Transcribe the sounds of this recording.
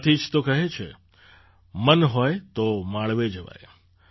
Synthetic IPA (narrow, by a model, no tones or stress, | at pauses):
t̪ʰid͡ʒt̪okəɦet͡ʃʰḛ | mənɦɔjt̪omãɭʋed͡ʒəʋa̰j